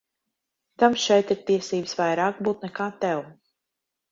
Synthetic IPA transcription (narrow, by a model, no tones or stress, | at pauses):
t̪amʃɛjt̪iɾt̪iɛsiːbsvajɾaːkbuːt̪̚nɛkaːt̪ɛw